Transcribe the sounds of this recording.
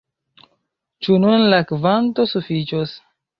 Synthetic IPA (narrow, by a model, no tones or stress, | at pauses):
t͡ʃununlakvanto̞sufit͡ʃos